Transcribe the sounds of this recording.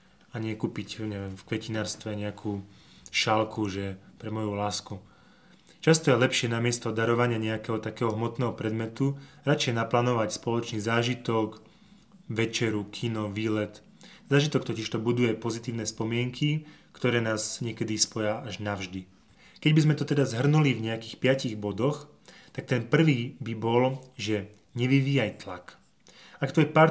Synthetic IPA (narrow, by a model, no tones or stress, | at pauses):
aɲɪɛkuːpicɲɛʋɛmfkʋɛcinaːɾst̪ʋɛɲɛakʰuː | ʃalkuʒɛpɾɛmɔjulaːsku | t͡ʃast̪ɔjɛlɛpʃɪɛnamɪɛst̪ɔd̪aɾɔʋaɲɪaɲɛakɛɦɔt̪akɛːɦɔɦmɔt̪nɛːɦɔpɾɛd̪mɛt̪uɾat͡ʃɛjɛnaplaːnɔʋacspɔlɔt͡ʃnizaːʒit̪ɔk | ʋɛt͡ʃɛɾukʰinɔʋiːlɛt̪ | zaːʒit̪ɔkt̪ɔciʃt̪ɔbud̪ujɛpɔzit̪iːʊnɛspɔmɪɛŋkʰikt̪ɔɾɛːnaːzɲɪɛkɛd̪ispɔjaʔaʒnaʊʒd̪i | kɛɟbizmɛt̪ɔt̪ɛd̪azɦr̩nulivɲɛakiːxpɪaciɣbɔd̪ɔx | t̪ak̚t̪ɛnpr̩ʋiːbibɔlʒɛ | ɲɛʋiʋiːajt̪lak | akt̪uapa